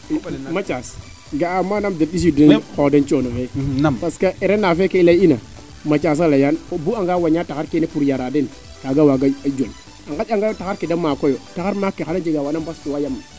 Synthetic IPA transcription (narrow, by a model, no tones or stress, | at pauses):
mat͡ʃas | ɡaamːanamdeɗis̬idekodent͡ʃonofepaskaʔeɾenafekeilaina | mat͡ʃas̬alajanobuaŋɡawaɲataaɾkenepuɾjaɾaden | kaɡawaɡaad͡ʒol | aŋɡaaŋɡajotakaɾkedamːakojotaxaɾmakːexanad͡ʒeɡawanambastuwajamːa